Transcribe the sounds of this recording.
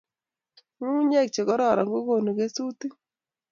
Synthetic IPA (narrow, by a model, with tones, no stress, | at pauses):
ŋu˦ɲɛ˦˨k̚t͡ʃe˨ɣɔ˦ɾɔ˦˨ɾa˨ŋɡo˦ɣo˨nu˨ke˦su˦ti˦